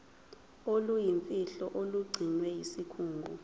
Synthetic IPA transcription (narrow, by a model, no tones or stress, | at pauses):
olujiɱfʼiɬɔʔoluɡ͡ǀʱinwɛjisikʰuːŋɡʱu